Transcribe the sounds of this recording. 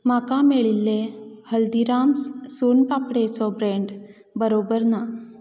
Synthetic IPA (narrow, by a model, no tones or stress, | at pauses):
makameɭilːehəld̪iɾamssunpapɽet͡sɔbɾeɳɖ | bəɾobəɾna